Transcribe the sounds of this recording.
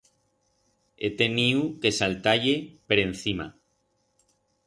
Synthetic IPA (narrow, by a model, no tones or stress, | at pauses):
et̪e̞niuke̞salt̪aʎepeɾe̞n̟θima̰